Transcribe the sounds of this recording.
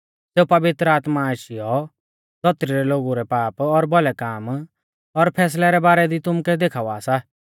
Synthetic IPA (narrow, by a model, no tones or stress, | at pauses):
seːupɐʋɪt̪ɾəaːt̪maaʃɪjɔ | d̪ɔt̪ːɾiɾɛloːɡuɾɛpaːpɔɾbɔlɛkaːm | ɔɾpʰɛːs̬lɛɾɛbaːɾɛd̪it̪ʊmkɛd̪eːkʰaːʋaːsa